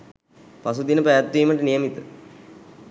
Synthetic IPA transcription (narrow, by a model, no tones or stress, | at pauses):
pasud̪inəpajat̪ːʋiːməʈənijəmit̪ə